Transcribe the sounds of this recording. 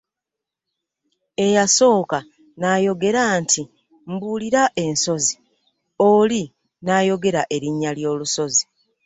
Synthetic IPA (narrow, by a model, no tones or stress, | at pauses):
e̞jaso̞ːka | naːjo̞ɡe̞ɾaːntʰi | m̩buːliɾaʔe̞nso̞zi | oli | naːjo̞ɡe̞ɾaʔe̞ɾiɲːaljo̞ːluso̞zi